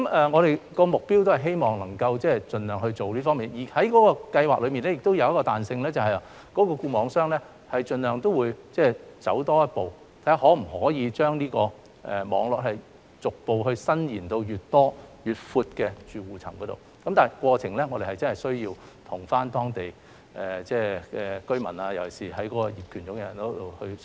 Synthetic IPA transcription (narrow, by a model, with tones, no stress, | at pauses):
kɐ˦mɛː˨ŋɔ˨˧ɾe˨˩jkɔː˧mʊ˨k̚piː˥wt̪o˥whɐ˨jɦe˥jmɔː˨ŋnɐ˨˩ŋkɐ˧wt͡sɛː˥t͡ʃɵ˧nlœː˨ŋhɵ˧t͡so˨wliː˥fɔː˥ŋmiː˨njiː˨˩hɐ˨˥jkɔː˨˥kɔː˧kɐ˧jwaː˨k̚lɵ˨˧ɥmiː˨nlɛː˥jɪ˨kt̪o˥wjɐ˧wjɐ˥kɔː˧t̪aː˨nsɪ˧ŋlɛː˥t͡sɐ˨wɦɐ˨˩ja˨ | kɔː˨˥kɔː˧kuː˧mɔː˨˧ŋsœː˥ŋlɛː˥ | hɐ˨jt͡ʃɵ˧nlœː˨˩ŋt̪o˥wuː˨˧jt͡sɛː˥˩t͡sɐ̰˨˥wt̪ɔː˥jɐ˥t̚po˨w | t̪ʰa˨˥a˨˩hɔː˨˥m̩˨˩hɔː˨˥jiː˨˧t͡ʃœː˥ŋniː˥kɔː˧ | ʔɛ̰˨˩mɔ̰ː˨˧˥ŋlɔː˨k̚hɐ˨j | t͡sʊ˨k̚po˨˧wɦɵ˧ɥsɐ˥njiː˨˩nt̪o˧wjyː˨t̚t̪ɔː˥jyː˨t̚fuː˧t̚kɛː˧t͡ʃyː˨wuː˨˩t͡sʰɐ˨˩mkɔː˨˥t̪o˨w | kɐ˨˦mt̪aː˨˩nkwɔː˧t͡sʰɪ˨˩ŋlɛː˥ŋɔː˨˧ɾe˨jhɐ˨jt͡sɐ˥nhɐ˨jsɵ˥ɥjiː˧wt̪ʰʊ˨˩ŋfaː˥nt̪ɔː˥ŋt̪e˨j | ʔɛː˨˩t͡sɛː˥˩ɛ˨kɵ˥ɥmɐ̰˨˩naː˧jɐ˨˩wɐ˨˩siː˨˩ɦɐ˨˥jkɔː˨˥kɔ˧jiː˨p̚kʰyː˨˩nʊ˨˥kɛ˧˨jɐ˨˩nt̪o˥t̪o˨hɵ˧ɥ